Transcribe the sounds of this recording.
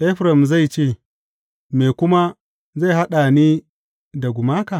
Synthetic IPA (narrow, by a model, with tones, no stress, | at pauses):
ʔɛ˦ɸɾɐ˨mza˦˨jt͡ʃeː˦˨ | me˨kʷʊ˦ma˦ | za˦˨jɦa˦ɗa˨niː˦ | da˨ɡʷʊ˨maː˦ka˨